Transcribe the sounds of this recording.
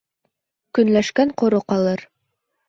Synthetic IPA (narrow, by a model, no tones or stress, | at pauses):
kɵ̆nlæʃkæɴqŏɾoqɑlˠɤɾ